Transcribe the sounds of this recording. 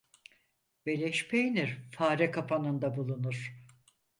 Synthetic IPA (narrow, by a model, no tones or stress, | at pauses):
belʲɛʃpʰejniɾfaːɾɛkʰapʰanɯnd̪abulˠunuɾ̥